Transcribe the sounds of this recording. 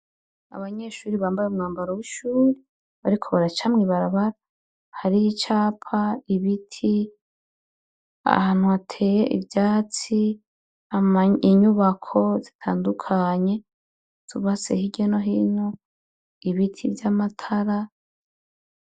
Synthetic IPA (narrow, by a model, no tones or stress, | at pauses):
a̰βaɲe̞ʃuːɾiβaːmbajeumŋaːmbaɾowiʃuːɾe | βaɾikʰo̞βaɾat͡ʃamŋiːβaɾaβaɾa | haɾiit͡ʃaːpʰaiβitʰi | a̰haːn̥uatʰe̞jeʔḭvjaːt͡si | amiɲuβakʰo̞zitʰaːndukʰaɲe̞ | z̥uβasḛhiɟono̞ɦiːno | iβitʰḭvjamatʰaɾa